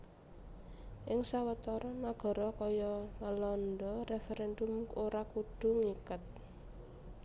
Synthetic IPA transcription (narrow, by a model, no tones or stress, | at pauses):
ʔɪŋsawət̪ɔɾɔmaɡ̥ɔ̤ɾɔkɔjɔməlɔndɔrefeɾɛndʊmoɾakuɖ̥ṳŋikət̪̚